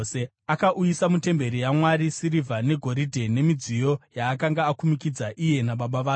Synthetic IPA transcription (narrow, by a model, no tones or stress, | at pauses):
se | akaʔujisamute̞mbe̞ɾijamwaɾisiɾivʱane̞ɡʱo̞ɾidʱe̞ne̞mid͡zijo̞jaːkaŋɡaːkumikid͡zaʔije̞naɓaɓaʋaː